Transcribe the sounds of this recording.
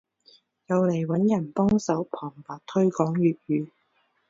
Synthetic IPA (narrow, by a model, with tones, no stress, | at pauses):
jɐ˨˧wle˨˩jwɐ˨˥njɐ˨˩npɔː˥ŋsɐ˨˥wpʰɔː˨˩ŋpaː˨t̚t̪ʰɵ˥ɥkɔː˨˥ŋjyː˨t̚jyː˨˥